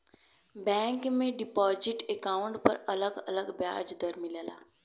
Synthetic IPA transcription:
bɛ̃ːŋkmẽɖɪpɔːzɪʈekaːʊɳʈpɐɾɐləɡɐləɡbja̰ːd͡ʒd̪əɾmɪleːla̰ː

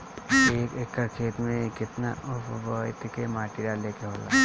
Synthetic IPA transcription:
eːkekəɾkʰeːt̪mẽkɪt̪na̰ʔʊpʋəɪt̪kemaːʈiɾaleːkeɦoːla̰ː

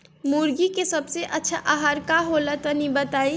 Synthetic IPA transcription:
muɾɡikesəbseʔətːʃʰaʔaɦaɾkaɦolət̪ənibət̪ai

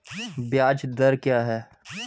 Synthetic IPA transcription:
bjaːd͡ʒd̪ɐɾkjaːɦɛː

